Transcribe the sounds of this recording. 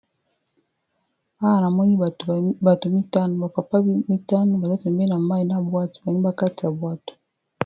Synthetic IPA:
a˦a˨na˨mɔ˦ɲi˦˨ba˨tu˨mi˦ta˦nɔ˨βa˨pa˨pa˦mi˦ta˦nɔ˦βa˨za˦pɛ˨mbna˨ma˦i˨na˦bwa˦tu̥˨ba˨ɲi˦ba˦ka˦ti˨a˨bwa˦˨tu̥˨

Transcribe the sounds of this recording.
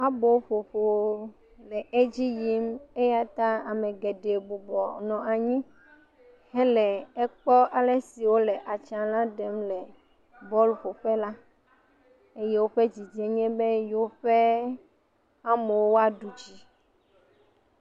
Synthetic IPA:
a˦bo˨˦ɸo˨ɸo˨ | lɛ˨e˦d͡ʑi˦ji˦me˦ja˦t̪a˦a˨mẽ˨ɡe˨ɖe˨bu˨bɔ˨nɔ̃˨ʔa˨ɲĩ˦ | hɛ˦lɛ˨ɛ˦k͡pɔ˦a˨le˦si˨wo˦lɛ˨ʔa˨t͡ʃa˨lã˦ɖɛ˨˦mlɛ˨ | bɔ˦lɸo˨ɸɛ˦la˦ | e˦je˦wo˦ɸe˦d͡ʑi˨d͡ʒɛ˦ɲɛ̃˦be˦jo˦ɸe˦ | a˦me˨wo˦wo˦a˦ɖu˨d͡ʑi˦

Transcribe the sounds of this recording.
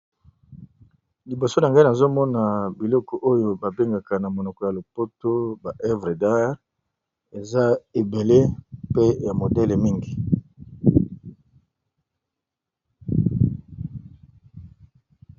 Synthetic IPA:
li˨bo˨so˦na˨ŋɡa˦i˦na˨zo˦mɔ˦na˨bi˨lɔ˦kɔ˨ʔo˦jo˨ba˨be˦ŋɡa˨ka˨na˨mo˨nɔ˨kɔ˨ja˨lo˨po˦to˦ba˨ʔɛ˦vʁe˨da˦ʁ | e˨za˦e˨be˨le˦pe˦ja˨mo˨dɛ˦le˨mi˦ŋɡi˨

